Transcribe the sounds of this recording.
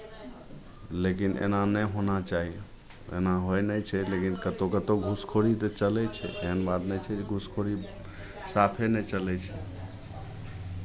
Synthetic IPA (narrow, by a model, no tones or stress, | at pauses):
lekinḛnanɛjɦonat͡ʃaɦi | ḛnaɦojnəjt͡ʃʰɛlekinkət̪okət̪oɡʱuskʰoɽit̪ət͡ʃəlɛt͡ʃʰɛ̰ʔeɦənbad̪nɛjt͡ʃʰɛd͡ʒeɡʱuskʰoɽi | sapʰenɛt͡ʃəlɛt͡ʃʰɛ